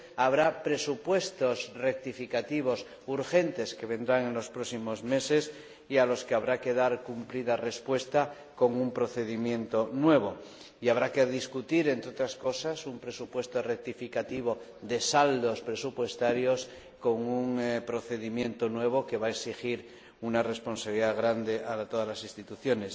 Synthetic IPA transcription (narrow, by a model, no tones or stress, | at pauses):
aβ̞ɾapɾe̞supwe̞st̪o̞sre̞k̚t̪ifikat̪iβ̞o̞s | uɾxe̞nt̪e̞ske̞βe̞nd̪ɾaŋe̞nlo̞spɾo̞simo̞zme̞se̞s | ialo̞skeaβɾake̞ðaɾkumpliðare̞spwe̞st̪a | ko̞ŋumpɾo̞θe̞ðimjẽ̞nt̪onwe̞β̞o | iaβ̞ɾakeðiskut̪iɾent̪ɾeot̪ɾasko̞sasumpɾe̞supwe̞st̪orek̚t̪ifikat̪iβ̞o | ðe̞sald̪o̞spɾe̞supwe̞st̪aɾjos | ko̞ŋuŋpɾo̞θe̞ðimjẽ̞nt̪o̞nwe̞β̞o̞ke̞βaeksixiɾ | unare̞spo̞nsaβiliðaɣ̞ɾand̪e̞ʔaɾat̪oðazlasinst̪it̪uθjo̞ne̞s